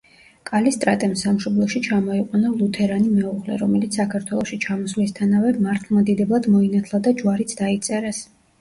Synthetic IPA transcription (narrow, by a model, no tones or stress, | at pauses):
kʼalist̪ʼɾat̪ʼɛmsamʃɔblˠɔʃit͡ʃʰamɔiqʼwanalˠut̪ʰɛɾanimɛuʁlɛ̰ɾɔmɛlit̪ssakʰaɾt̪ʰwɛlˠɔʃit͡ʃʰamɔsvlist̪ʰanavɛmaɾt̪ʰlˠmad̪id̪ɛblˠad̪mɔinat̪ʰlˠad̪ad͡ʒwaɾit̪sʰd̪ait̪sʼɛɾɛs